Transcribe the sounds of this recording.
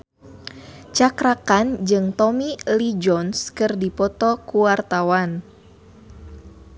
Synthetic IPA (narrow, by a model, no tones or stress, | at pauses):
t͡ʃakɾakand͡ʒɨŋt̪ɔmilid͡ʒɔnskɨrdipɔt̪ɔkuwart̪awan